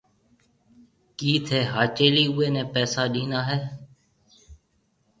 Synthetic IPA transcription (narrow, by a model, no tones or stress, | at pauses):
kiːt̪ʰeːɦaːt͡ʃeːliːʊːeːnɛ̃ːpɛːsaːɗĩːnaːɦɛː